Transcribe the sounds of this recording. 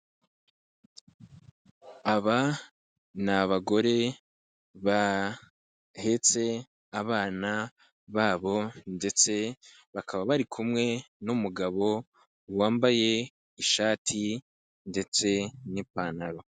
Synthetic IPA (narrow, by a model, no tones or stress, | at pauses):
aβa | naβaɡo̞ɾe̞ | βa | he̞t͡se̞ | aβaːna | βaːβo̞nde̞t͡se̞ | βakʰaβaβaɾikʰumŋe̞ | numuɡaβo̞ | waːmbaje̞ | iʃaːtʰi | nde̞t͡se̞nipanaɾo̞